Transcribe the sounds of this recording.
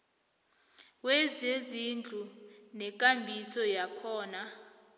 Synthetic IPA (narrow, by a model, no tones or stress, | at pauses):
wɛzezind͡ɮʱu | nɛk̬ʼambʱisɔjakʰɔːna